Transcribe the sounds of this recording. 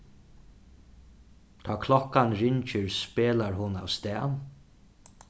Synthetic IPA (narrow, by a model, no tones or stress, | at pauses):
t̪ʰaːkʰlɔkanɾɪɲt͡ʃəɹspeːlaɹɦʊna̰ʋst̪ɛːn